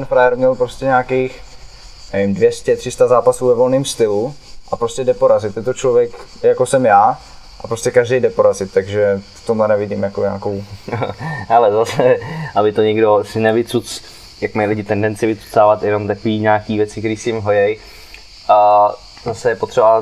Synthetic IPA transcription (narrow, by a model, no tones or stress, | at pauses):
t̪ɛnfɾajɛɾmɲɛlpɾo̞scɛɲaːkejx | nɛvɪmdvjɛscɛt̪r̥ɪst̪azaːpasuːvɛvo̞lnɪmst̪ɪlu | ʔapɾo̞scɛdɛpo̞ɾazɪt̪jɛt̪ot͡ʃlovjɛkjako̞sɛmjaː | ʔapɾoscɛkaʒdɛjdɛpo̞ɾazɪt̪ːaɡʒɛft̪omlɛnɛvɪɟɪmjakoɲa̰ːko̞w | halɛzasɛʔabɪt̪oɲɛɡdo̞sɪnɛvɪt̪t͡sut͡s | jakmajlɪɟɪt̪ɛndɛnt͡sɪvɪt̪t͡su̥t͡saːvat̪jɛno̞mt̪akoviːɲaːkiːvjɛt͡sɪkt̪ɛɾiːsɪjɪmɦojɛj | a | zasɛjɛpot̪r̥ɛba